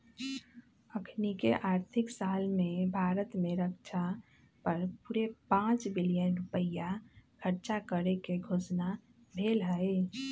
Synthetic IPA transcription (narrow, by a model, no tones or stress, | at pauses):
əkʰnikeʔaːɾt̪ʰɪksaːlmẽbʱaːɾət̪mẽɾəkt͡ʃʰa | pəɾpuɾepãːt͡ʃbɪlijənɾʊpəjakʰəɾt͡ʃakəɾekeɡʱoːsna | bʱeːlɦəe